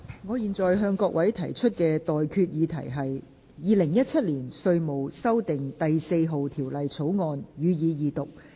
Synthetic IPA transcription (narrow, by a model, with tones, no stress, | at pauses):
ŋɔː˨˧jiː˨nt͡sɔː˨jɦœː˧ŋkɔː˧k̚wʔɐ˨˥jt̪ʰɐ˨˩jt͡ʃʰɵ˥t̚kɛː˧t̪ɔː˨jkʰyː˧t̚jiː˨˧t̪ʰɐ˨˩jɦɐ˨j | jiː˨˧lɪ˨˩ŋjɐ˥t̚t͡sʰɐ˥t̚liː˨˩nsɵ˧ɥmo˨wsɐ˥wt̪ɪ˨ŋt̪ɐ˨jse˧jɦo˨wt̪ʰiː˨˩wlɐ˨jt͡sʰo˨˥wŋɔː˧njyː˨˧jiː˨˧jiː˨˧t̪ʊ˨k̚